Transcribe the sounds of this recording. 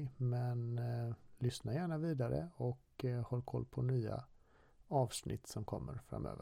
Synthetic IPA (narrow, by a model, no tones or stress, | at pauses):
mɛn | lʏsnaɾjæːɳaviːd̪aɾə̰ɔk | hɔlːkʰɔlːpʰɔnyːa̰ | ɑːvsnɪ̰t̪ːsɔmkʰɔmːəɾfɾa̰mːø̰ːvə